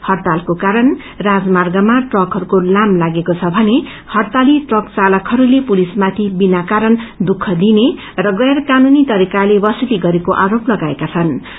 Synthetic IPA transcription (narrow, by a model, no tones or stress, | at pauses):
hʌrt̪alkokaɾʌn | rad͡zmarɡamaʈrʌkɦʌɾukolamlaɡekot͡sʰʌbʱʌne | hʌrt̪aliʈrʌkt͡salʌkɦʌɾulepulismat̪ʰibinakaɾʌnd̪ukʰːʌd̪ine | rʌɡʌjrkanunit̪ʌɾikalebʌsiliɡʌɾekoʔaɾoplʌɡaekat͡sʰʌn